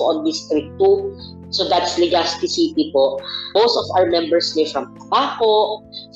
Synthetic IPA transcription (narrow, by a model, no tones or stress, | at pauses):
ʔɔ̃nd̪ɪst̪ɾɪk̚t̪u | sod̪at̪slɪɡast̪ɪsit̪ipoʔb̥owsɔfa̰wəɹmɛ̃mbɛɹslɛfɹɐmt̪ɐbaːko